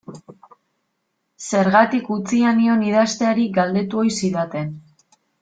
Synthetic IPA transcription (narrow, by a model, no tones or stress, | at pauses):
se̞ɾɣat̪ikut͡sianio̞niðast̪e̞aɾiɡald̪e̞t̪uo̞jsiðat̪e̞n